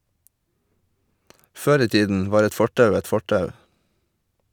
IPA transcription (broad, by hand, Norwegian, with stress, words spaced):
ˈføːɾ ˈiː ˈtiːdn̩ ˈʋɑːɾ ˈɛt ˈfɔʈɑʉ ˈɛt ˈfɔʈɑʉ